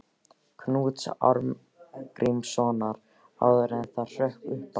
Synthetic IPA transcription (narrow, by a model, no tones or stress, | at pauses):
kʰnuːt̪sa̰ɾm | kɾʔimsɔːnaɾ | a̰wðʏɾɛnθar̥œhkʏhp